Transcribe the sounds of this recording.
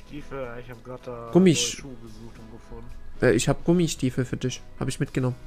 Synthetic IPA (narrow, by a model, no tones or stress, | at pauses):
tiːfamɡlatɡ̥ʊmiʃəzuːxtʊnɡ̥əfʊnʔɛːʔɪçhaːbɡ̥ʊmiʃtiːfəfyːɐdɪʃha̰ːbəɪçmɪt̚ɡ̥ənɔmən